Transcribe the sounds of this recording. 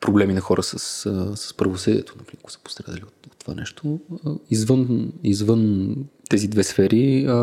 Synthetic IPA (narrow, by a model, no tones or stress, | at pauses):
pɾoblɛminɐxɔɾʔəsəsəsə̥spɾɐvosɤd̪iɛt̪ʰonɐpɾiɾkosə̥po̥st̪ɾad̪ə̰liot̪ot̪ːova̰nɛʃt̪ʰoizvɤnizvɤnt̪ɛzid̪vɛsfɛɾi